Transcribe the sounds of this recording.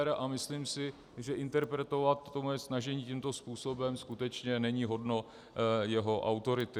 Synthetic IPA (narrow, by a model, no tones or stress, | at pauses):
ɾaʔamɪsliːmsɪ | ʒɛʔɪnt̪ɛɾpɾɛt̪ovat̪ːomojɛsnaʒɛɲiːcimt̪o̞spuːso̞bɛmskut̪ɛt͡ʃɲɛnɛɲiːɦo̞dno̞ | jɛɦo̞ʔa̰wt̪o̞ɾɪt̪ɪ